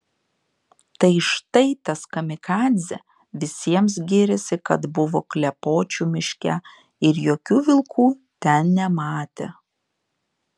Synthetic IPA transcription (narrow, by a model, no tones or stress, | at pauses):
t̪ɐɪʃt̪ɐɪt̪ɐskɐmʲɪkɑːd̪ʲzʲɛ | ʋʲɪsʲiɛms̬ɡʲɪɾʲɪsʲɪkɐt̪bʊʋoːklʲɛpoːt͡ʃʲuːmʲɪʃʲkʲɛ | ɪɾjoːkʲuːʋʲɪlˠkʰuːt̪ʲɛnnʲɛmɑːt̪ʲeː